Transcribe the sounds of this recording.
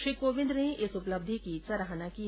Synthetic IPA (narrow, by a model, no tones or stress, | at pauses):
ʃiːkoːʋɪ̃nd̪neɪsʊpləb̚d̪ʱikisɐɾaɦanaki